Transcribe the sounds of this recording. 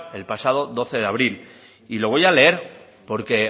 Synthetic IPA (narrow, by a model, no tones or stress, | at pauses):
e̞lpasað̞o̞ðo̞θe̞ðeaβ̞ɾil | ilo̞β̞o̞jale̞eɾ | po̞ɾke̞